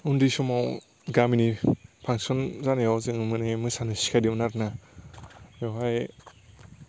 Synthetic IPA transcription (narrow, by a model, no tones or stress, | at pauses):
undisɔmaw | ɡaminipʰaŋsɔnzanejawzɯŋɯmɯnemɯsanɯsi̥kʰajdimnaɾna | jɔwɦaj